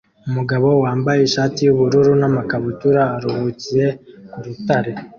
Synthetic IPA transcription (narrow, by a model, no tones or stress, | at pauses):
umuɡaβo̞waːmbajeːʃaːtijuβuɾuɾunamakaβutuɾaːɾuhuːciɾe̞kuɾutaɾe̞